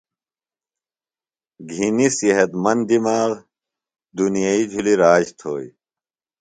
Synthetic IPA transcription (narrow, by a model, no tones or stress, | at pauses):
ɡʱinisiɦɐt̪mɐnd̪imaːɣ | d̪unijaid͡ʑʱuliɾaːd͡ʑt̪ʰo̰ːj